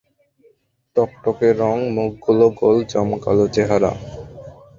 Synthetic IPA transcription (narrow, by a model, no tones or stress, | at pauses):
t̪ɔkʈokeɾːɔŋmuɡɡuloɡold͡ʑɔmka̰lot͡ɕeɦaɾa̰